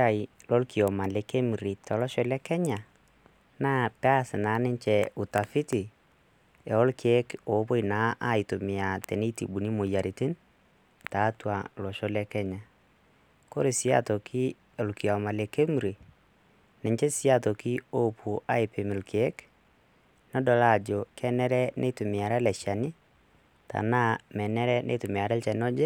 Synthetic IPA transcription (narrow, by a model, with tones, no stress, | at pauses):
a˦ɪ˨lɔ˦lki˨ɔ˨ma˨le˨ke˦m˨ɾi˨tɔ˨lɔ˦ʃɔ˦lɛ˦kɛ˦ɲa˨ | naː˦pɛ˦a˦sɪ˨na˨˦nɪ˦ɲt͡ʃɛ˨ʊ˨ta˨fɪ˦tɪ˨ | ɛ˨ɔ˦lkʰːkoː˨˦po˦jna˨˦ʔa˦˨ɪ˨to˨mɪ˨a˨tɛ˨ni˦tḭ˨ɓu˨ni˦mo˨ja˨ɾi˨tɪ˦n | taː˨˦twa˨lɔ˨ʃɔ˦lɛ˦kɛ˦ɲa˨ | ko˦ɾe˨sɪ˦a̰˦tɔ˨kʰi˦ | o˨lki˨a˨ma˨le˨ke˦mɾi˨ | nɛ˨ɲt͡ʃe˦sɪ˦a˦to˨ki˦o˦pʰu˨ʔa˦ɪ˨pe˨mɪ˨lkʰeː˨˦k | nɔ˦dɔ˨la˦˨d͡ʒo˨kɛ˦nɛ˦ɾɛ˦nʔɛ˦tu˨mɪ˨a˨ɾɛ˦lɛ˨ʃa˨nɪ˦ | ta̰˨na˦mɛ˨nɛ˦ɾɛ˦nʔḛ˦tu˨m˨a˨ɾɛ˦lt͡ʃɛ˨nɔ˦d͡ʒe˦